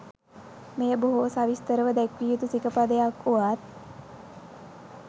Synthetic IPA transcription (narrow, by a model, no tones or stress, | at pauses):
mejəboɦosaʋist̪əɾəʋəd̪ɛkʋijut̪usikəpad̪əjakuʋat̪̚